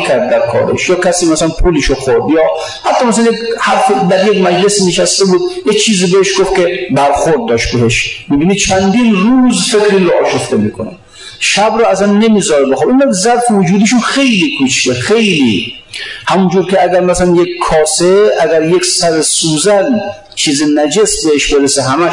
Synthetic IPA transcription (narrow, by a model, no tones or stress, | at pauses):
kʲʰæɾd̪̚ːæɾkʰɒ̰ːɾḛʃjɒːkʲʰæsiːmæsælænpʰuːleʃoxoɾd̪jɒː | hæt̪ʰːɒːmæsælænjekhæɾfed̪æɾjekmæd͡ʒlesineʃæst̪ebuːd̪jet͡ʃʰiːziːbeheʃɡoft̪kʲebæɾxoɾd̪̚ːɒːʃt̪̚beɦeʃmiːbiːnid̪̥̚t͡ʃʰænd̪iːnɾuːzfekʰɾiːnɾoʔɒːʃoft̪emiːkʰonæ̰m | ʃæbɾɔæsænːe̞miːzɒɾebexɔːbinæd̪zæɾfevod͡ʒuːd̪iʃunxejliːkʰut͡ʃʰt̪exejlḭ | hæmund͡ʒuːɾkʲeæɡæɾmæsælænjekʰːɒːseʔæɡæɾjekʲsæɾesuːzæn | t͡ʃʰiːzinæd͡ʒesbeheʃbeɾeseɦæmæ